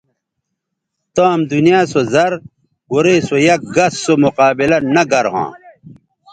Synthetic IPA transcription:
t̪ãːmd̪unijaːsozɐɾ | uɾeːsojɐk̚ɡɐsːomuqaːbilɐnɐɡɐɾɦã̰ː

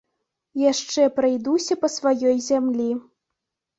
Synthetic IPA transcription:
jaʂt͡ʂɛpɾɐjd̪usʲɐpɐsvajɔjzʲamlʲi

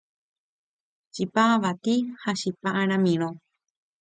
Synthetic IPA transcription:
t͡ʃipaaʋat̪ihaʃipaʔaɾ̃ãmĩɾ̃õ

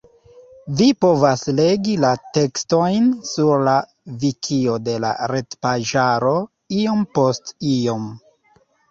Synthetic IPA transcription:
vipo̞vasle̞ɡilate̞ksto̞jnsuɾla | vikʰio̞de̞la̰ɾe̞tpaʒaɾo̞ | io̞mpo̞stio̞m

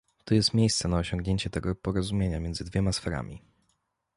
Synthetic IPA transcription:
t̪ɔjɛst̪mʲjejst̪sɛnaɔɕɔŋɡɲeɲt͡ɕɛt̪ɛɡɔpɔɾɔzumʲjeɲamʲjɛnd̪zɘd̪vʲjɛmasfɛɾa̰mʲḭ

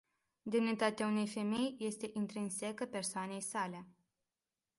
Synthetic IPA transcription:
d̪imnit̪at̪eaune̞jfe̞me̞jje̞st̪e̞ʔint̪ɾinse̞kəpe̞rsoane̞jsale̞

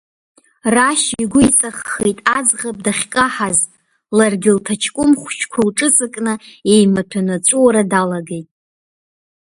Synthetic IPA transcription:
raʃiɡʷʊit͡sʼaχːejtʼad͡zʁap̚ʼdaχʲkʼaħaz | larɡʲɪltʰat͡ʃʰkʷʼʊmχʷt͡ʃʰkʷʰalʈ͡ʂʼɨt͡sʼɨkʼnɨe̞jmatʷʰanat͡ʃʷʼuwaɾadalaɡejtʼ

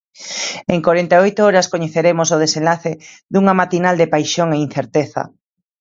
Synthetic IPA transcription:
eŋkwoɾent̪aojt̪oɔɾɐskoɲeθeɾemosoð̞esẽnlaθe | ðuŋamat̪inald̪epajʃoŋein̟θeɾt̪eθɐ̰

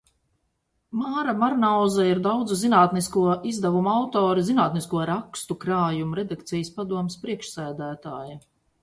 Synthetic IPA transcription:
maːɾamaɾnawzaiɾd̪awd̪zuzinaːt̪niskuɔizd̪avumuawt̪ɔːɾizinaːt̪niskuɔɾakst̪ukɾaːjumuɾɛd̪ak̚t̪sijəspad̪uɔmɪspɾiɛkʃsæːd̪æːt̪aːjɐ

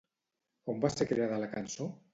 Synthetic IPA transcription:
ombaseɾkɾeaðəlakanso

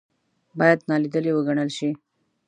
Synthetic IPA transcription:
bɑjad̪nɑlid̪əlewəɡaɳəlʃi

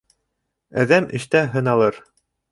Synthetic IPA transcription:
æ̰ðæmʔɘ̆ʃt̪æɦɤ̆nɑlˠɤɾ

